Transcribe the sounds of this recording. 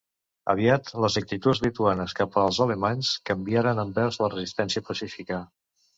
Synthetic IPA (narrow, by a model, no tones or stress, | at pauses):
ə̰βiat̪ləzək̚t̪it̪ud͡zlit̪uanəskapəːlˠzələmanskəmbiaɾənəmbɛɾzlərəzist̪ɛnsiəpəsifikə